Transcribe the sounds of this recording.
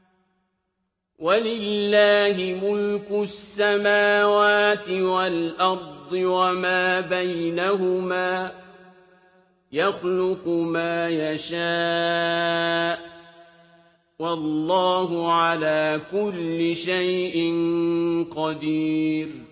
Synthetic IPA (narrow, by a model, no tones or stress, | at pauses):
walɪlːaːɦɪmʊlkʊsːamaːwaːt̪ɪwalʔɑɾˤd̪ˤɨwamaːbajnaɦʊmaː | jaxlʊqʊmaːjaʃaː | ʔ | wɑlːɑːɦʊʕalaːkʊlːɪʃajʔɪnqɑd̪iːɾ